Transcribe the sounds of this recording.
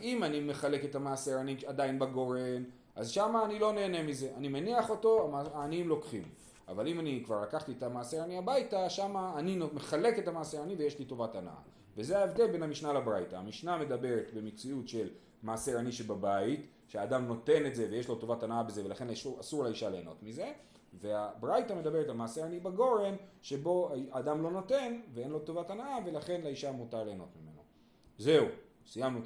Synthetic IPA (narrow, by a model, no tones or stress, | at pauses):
imanime̞χale̞ketamaːse̞ʁaniadajnbaɡo̞ʁen | ʔazʃamaːnilo̞ne̞ːne̞mize̞ʔanimeniaχo̞to̞aaːnimlo̞kχim | a̰valimanikvaʁlakaχt̪ietamaːseʁaniabajtaʃamaːninome̞χale̞ke̞tamaːseʁanivejeʃlito̞vatana̰ʔa̰ | vezeaevd̪e̞lbe̞nhamiʃnalabʁajtaamiʃname̞d̪abe̞ʁe̞tbe̞met͡siutʃe̞l | maːseʁaniʃebabait | ʃeaːdamno̞te̞ne̞tze̞veje̞ʃlo̞to̞vatanaʔabe̞ze̞velaχe̞nʃuasuʁlaiʃale̞ːno̞̰tmize̞ | ve̞abʁajtame̞d̪abeetalmaːseanibaɡo̞ʁe̞nʃe̞bo̞aaːd̪amlo̞no̞te̞nvee̞nlo̞tovatanaʔave̞laχe̞nlaiʃamutale̞ːno̞̰tmime̞̰no̞ | ze̞u | sijamnu